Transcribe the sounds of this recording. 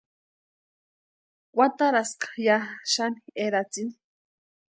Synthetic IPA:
wʷat̪aɾaskḁjaʃanieɾat͡sini̥

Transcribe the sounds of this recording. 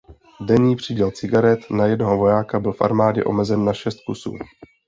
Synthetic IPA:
dɛɲiːpr̝̥iɟɛlt͡sɪɡaɾɛt̪najɛdnoɦovo̞jaːkabɪlfʔa̰ɾmaːɟɛ̰ʔo̞̰mɛzɛnːaʃɛst̪̚kusṵː

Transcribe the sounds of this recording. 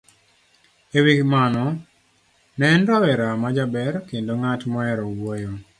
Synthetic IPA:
ewikmanɔ | nɛnɾɔwɛɾamad͡ʒabɛrkendoŋatmɔɛɾɔwojo

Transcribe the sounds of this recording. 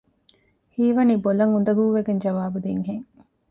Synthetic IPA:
hiːʋɐnibolɐŋund̪ɐɡuːʋeɡeɲd͡ʒɐʋaːbud̪iŋɦeŋ

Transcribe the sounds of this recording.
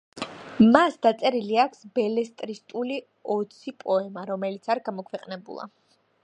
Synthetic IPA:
masd̪at̪sʼɛɾiliakʷʰsbɛlɛst̪ʼɾist̪ʼuli | ɔt̪sʰipʼɔɛmaɾɔmɛlit̪sʰaɾɡamɔkʰwɛqʼnɛbṵlˠa̰

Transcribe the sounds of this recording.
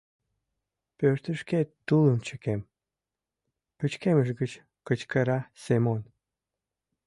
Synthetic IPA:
pøɾt̪əʃket̪ːuləmt͡ɕəkem | pət͡ɕkeməʒɡət͡ɕ | kət͡ɕkəɾɑsemon

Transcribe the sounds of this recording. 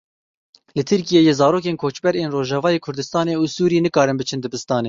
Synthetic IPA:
lɨt̪ʰɨɾkijeːjeːzɑːɾoːk̬eːnkʰoːt͡ʃbɛɾeːnroːʒɑːvɑːjeːkʰʊɾd̪ɨst̪ɑːneːusuːɾiiːnɨkɑːɾɨnbɨt͡ʃʰɨnd̪ɨbɨst̪ɑːneː

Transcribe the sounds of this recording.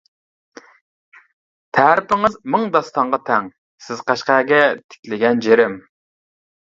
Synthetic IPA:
t̪ʰæɾɪpɪŋɪzmɨŋd̪ɑst̪ɑɴʁɑt̪ʰɛŋ | sɪz̥qæʃqæːɡʲɛt̪ʰɪ̥kʲlɪɡʲɛnd͡ʒeɾɪm

